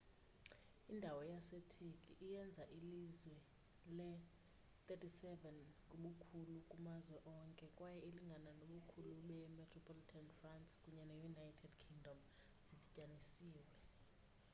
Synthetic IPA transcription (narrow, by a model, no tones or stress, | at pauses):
indʱawɔjasetʰekʼiʔijɛnd͡zʱaʔilizwɛ | lɛ | t̪ʼetʰʼisɛvɛnkʼuɓukʰulukʼumazwɛʔɔŋkʼɛkʼwajɛeliŋɡʱananoɓukʰuluɓɛɛmɛtʰrɔpʰɔlitʰanfrantskʼuɲɛnejunajtʰɛdkʰiŋdʱɔm | zidicʼanisiːwɛ